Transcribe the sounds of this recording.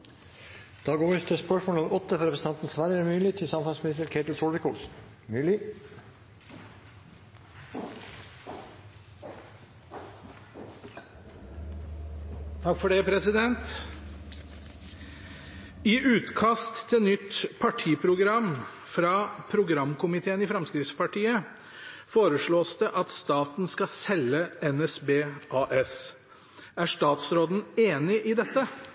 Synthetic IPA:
d̪̥ɑːɡoːʋɪt̪ʰɪspœʂmoːlɔmʔɔt̪ːəfɔɾɛpɾs̩ɑnt̪n̩sʋæɾəmyːlɪt̪ʰɪsɑmfɑsmɪnɪst̪əɾkʰeɪt̪l̩soːlʋəkʰɔlsn | myːlɪ | t̪ʰɑkːfɔɖɛpʰɾɛsɪd̪ɛnt̪ | ɪʔʉːt̪kʰɑst̪ʰːɪlnʏt̪ːpʰɑʈʰiːpʰɾʊɡɾɑmː | fɾɑːpʰɾʊɡɾɑmkʰʊmɪt̪ʰeːənɪfɾɛmskɾɪfspʰɑʈʰiːə | foːɾəʂɭoːsd̪ɛʔɑt̪st̪ɑːt̪nskɑsɛlːəɛnɛsbeːʔɑːʔɛs | æʂt̪ɑːt̪sɾoːd̪n̩eːnɪʔɪd̪ɛt̪ːə

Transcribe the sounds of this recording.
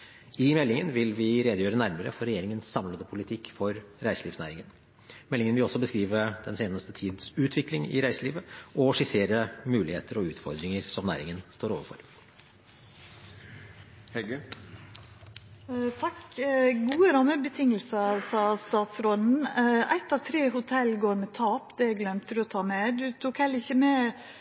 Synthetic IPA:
ɪmɛlːɪŋənʋɪlʋɪɾeːd̪əjøːɾənæɾməɾə̰fɔɾɛjeːɾɪŋənsːɑmləd̪əpʰʊlɪt̪ʰɪkːfɔɾɾæɪsliːfsnæ̰ːɾɪŋən | mɛlːɪŋənʋɪlɔsːɔbəskɾiːʋəd̪̥ɛnseːnəst̪ət̪ʰiːd̪sʉːt̪ʰʋɪklɪŋɪ̰ɾæɪsəliːʋəʔɔʂɪseːɾəmʉːlɪhḛːt̪ʰəɾɔʉːt̪fɔɾd̪ɾɪŋəɾsɔmnæ̰ːɾɪŋənst̪oːɾoːʋəɾfɔ̰ɾ | hɛɡ | t̪ʰɑkɡuːəɾɑməbət̪ʰɪŋəl̩sɑsɑːst̪ɑːt̪sɾɔd̪n̩æ̰ɪt̪ɑːʋt̪ʰɾeːɦʊt̪ʰɛlɡoːɾmɛt̪ʰɑːpd̪ɛæɡlœmt̪ʰəd̪ɔt̪ʰɑːmɛd̪ʉt̪ʰukhɛlːɪçəmɛ

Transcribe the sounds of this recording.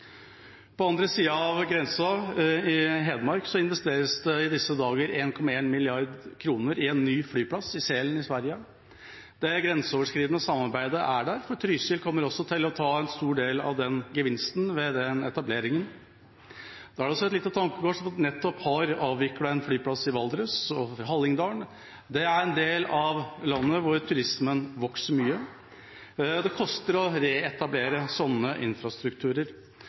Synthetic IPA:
pʰɔɑnd̪ɾəsiːɑɑʋɡɾɛnsɑɪɦeːd̪əmɑɾksɔɪnʋɛst̪eːɾəsd̪ɛɪd̪ɪsːəd̪ɑːɡəɾeːnkʰɔmɑeːnmɪlɪɑɾd̪kʰɾuːnəɾɪɛnːyːflyːpʰlɑsɪseːlən̩ɪsʋæɾjə | d̪̥ɛɡɾɛnsəoːʋəʂkɾiːd̪nəsɑmːɑɾbæɪd̪əʔæɖæɾfɔt̪ʰɾyːsɪlkʰɔmːəɾɔsːɔt̪ʰɪlɔt̪ʰɑːɛnst̪uːɖeːlɑ̰ʋd̪ɛnɡəʋɪnst̪nʋɛd̪ɛnɛt̪ɑbleːɾɪŋən | d̪̥ɑɑɖɛɔsɔɛt̪lɪt̪ːət̪ʰɑŋkəɡoːʂɔmɑt̪nɛt̪ːɔphɑɾɑːʋʋɪkːəɽɛnflyːpʰlɑsɪʋɑld̪ɾʉsɔɦɑlːɪŋd̪ɑːɳ | d̪ɛæɾɛnd̪eːlɑʋlɑnːəʋʊɾt̪ʰʉɾɪsmənʋɔksəɾmyːə | d̪ɛkʰɔst̪əɾɔɾeːɛt̪ɑbleːɾəsɔnːəʔɪ̰nfɾɑst̪ɾʉkt̪ʰʉːɾəɾ

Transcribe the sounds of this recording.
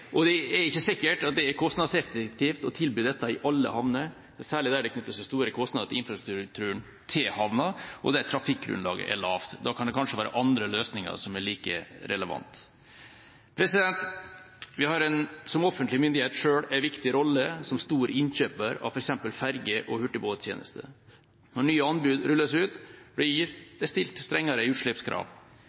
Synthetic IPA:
ʔɔd̪ɛɛɾɪçːəsɪkːəʈɑt̪̚d̪ɛɛɾkʰɔst̪nɑd̪sɛkt̪k̚t̪iːft̪ɔt̪ʰɪlbyːd̪ɛt̪ːɑɪʔɑlːə̰hɑʋnə | sæːɭɪd̪æːɖɛkʰnʏt̪ːəsɪst̪uːɾɾəkʰɔst̪nɑd̪ət̪ʰɪɪnfɾɑst̪ɾɾʉk̚t̪ʰʉːəɳ | t̪ʰɪlhɑʋnɑʔɔ̰d̪æɾt̪ʰɾɑfɪkːɡɾʉ̰nlɑ̰ːɡə̰ʔɛ̰ɭɑ̰ːʋt̪d̪ɑkʰɑnd̪ɛkʰɑnʂəʋæːɾə̰ʔɑnd̪ɾəløːsnɪŋɑ̰ɾsɔmæɭiːkə̰ɾɛ̰ləʋɑ̰nt̪ | pʰɾɛsɪd̪ɛnt̪ | ʋɪhɑɾɛnsɔmɔfənt̪lɪmʏnd̪ɪheːt̪ʂøːɽæɪʋɪkt̪ɪɾɔlːəsɔmst̪uːɾəɪnçøːpəɾɑ̰ʋfɔɾɛksɛmpəlfæɾɡəʔɔhʉʈːɪboːjeːnə̰st̪ə̰ | nɔɳyːəɑnbʉːd̪ɾʉlːəsʉːt̪bɽɪɾbəst̪ɪlt̪st̪ɾɛŋːɑɾəʉːt̪ʂɭɛpskʰɾɑ̰ːʋ

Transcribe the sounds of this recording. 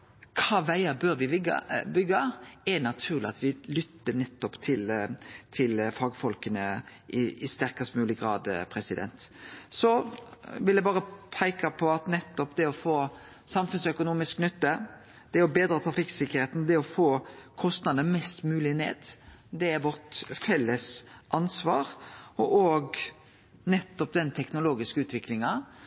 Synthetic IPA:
kʰɑːʋæɪəɾbøːɾʋɪʋɪɡɑ̰bʏɡːəɛɾnɑt̪ʰʉːʁlɪɑt̪ʋɪlʏt̪ːənɛt̪ːɔpt̪ʰɪlt̪ʰɪlfɑːɡəfɔlkənə | ʔɪɪst̪æɾkəst̪mʉːlɪɡɾɑ̰ːd̪pʰɾɛsɪd̪ɛ̰nt̪sɔʋɪljæɪbɑːɾəpʰæɪkɑpʰɔɑt̪nɛt̪ːɔpd̪ɛɔfoː | sɑmfʉnsœkʊnuːmɪsknʏt̪ːə | d̪̥ɛɔbeːd̪ɾɑːt̪ʰɾɑfɪksɪkːəʁheːt̪n̩d̪ɛɔfoːkʰɔst̪nɑd̪mɛst̪mʉːlɪnḛːd̪d̪ɛæɾʋɔʁt̪fɛlːəsʔɑnsʋɑːɾɔʔɔɡ | nɛt̪ːɔpd̪ɛnt̪ʰɛknʊloːɡɪskəʉːt̪ʋɪklɪŋɑ

